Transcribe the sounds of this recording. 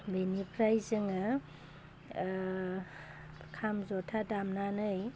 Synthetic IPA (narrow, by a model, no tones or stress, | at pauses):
benipʰɾajzɯŋɯ | kʰamzɔtʰadamnanɯj